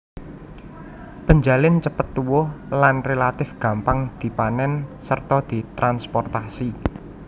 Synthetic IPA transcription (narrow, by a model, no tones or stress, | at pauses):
pəɲd͡ʒalɪnt͡ʃəpət̪ːuwʊhlanrelat̪ɪfɡ̥ä̤mpaŋd̪̥i̤panɛnsərt̪ɔd̪̥i̤t̪ɾanspɔrt̪asi